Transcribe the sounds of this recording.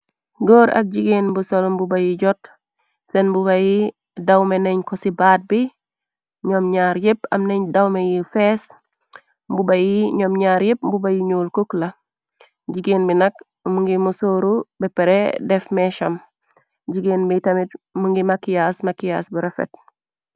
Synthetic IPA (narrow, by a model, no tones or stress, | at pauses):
ɡoːɾʔɐ̰k̚ɟiɡeːnbusolmbubajiɟot | senbuβaji | dawmeneɲkosibaːt̚bi | ɲomɲaːɾjepɐ̰mneɲdawmejifes | mbubajiɲomɲaːɾjep̚bubajiɲuːlkuklɐ | ɟiɡeːnbinɐk | muŋɡimusoɾubɛpeɾedefmeʃɐm | ɟiɡeːnbitɐmitmuŋɡimakːijasmakijasbuɾefḛt̚